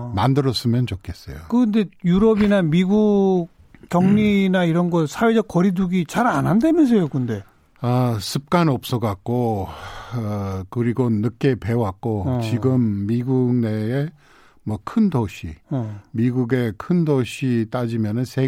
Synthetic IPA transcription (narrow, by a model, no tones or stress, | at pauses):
mandɯɾʌs͈ɯmjʌnt͡ɕokʰes͈ʌjokɯnde̞juɾʌbinamiɡu | k͈ːjʌŋɲinaiɾʌnɡʌsʰawe̞d͡ʑʌk̚k͈ʌɾiduɡit͡ɕaɾanɦandemjʌns̬ʰʌjokɯnde̞ | ʌsʰɯp̚k͈anop̚s͈ʌɡak̚k͈o | kɯɾiɡonɯk͈e̞pe̞wak̚k͈ot͡ɕiɡɯmːiɡuɡne̞ː | mwʌkʰɯndoɕʰimiɡuɡe̞kʰɯndoɕʰit͈ad͡ʑimjʌnɯnsʰe